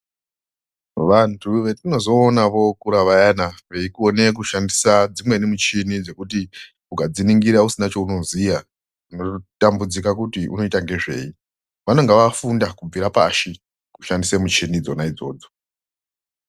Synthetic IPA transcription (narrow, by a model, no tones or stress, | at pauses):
ʋantʰuʋe̞tino̞zo̞ːnaʋo̞kuɾaʋajanaʋe̞ikuone̞k̬uʃandisad͡zimwe̞nimut͡ʃinid͡ze̞kut̬i | ukad͡ziniŋɡiɾausinat͡ʃo̞uno̞zija | uno̞tambud͡zikakutiʔṵno̞itaŋɡe̞ʐe̞̰i | ʋano̞ŋɡeʋafundakub͡viɾapaʃi | ku̥ʃandisemut͡ʃinid͡zo̞naid͡zo̞̰ːd͡zo̞